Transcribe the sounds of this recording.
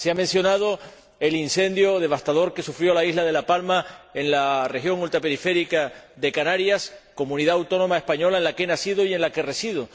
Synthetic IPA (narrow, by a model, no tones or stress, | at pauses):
seamensjo̞nað̞o̞ | e̞linse̞nd̪jo̞ðe̞βast̪aðo̞ɾke̞sufɾjo̞laiɦlað̞e̞lapalmae̞ŋlare̞xjo̞ŋult̪ɾape̞ɾife̞ɾikaðe̞kanaɾjasko̞mũniðaːwt̪o̞no̞maespaɲo̞laenlakenasiðo̞iẽ̞nlake̞re̞siðo̞